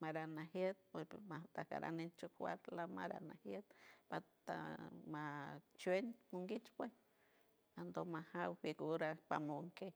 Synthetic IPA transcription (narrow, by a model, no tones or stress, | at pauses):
maɾanahjet̪̚peat̪aka̰ɾa̰nent͡ʃokwa̰t̪lama̰ɾa̰nahjet̪pat̪a̰mat͡ʃwenmuŋɡit͡ʃpwes | and̪omahawfiɡuɾapamoŋke